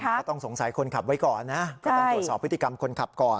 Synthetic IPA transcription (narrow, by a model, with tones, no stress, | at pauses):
t̪ɔ˥˩ŋso˨˩˦ŋsa˩˦jkʰo˧nkʰa˨˩p̚wa˦˥jkɔː˨˩nːa˦˥ʔkɔ˥t͡ɕta˥ŋ˩˧˩t̪̚sɔː˨˩pʰɯ˦˥t̪iː˨˧ka˧mkʰo˧nkʰa˨˩p̚kɔː˨˩n